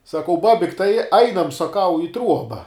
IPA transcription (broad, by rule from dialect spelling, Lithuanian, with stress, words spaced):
sɐˈkɐʊ ˈbɑːbʲɪkʲ tɐɪ ˈɐɪnɐm sɐˈkɐʊ ɪ ˈtruɔbɐ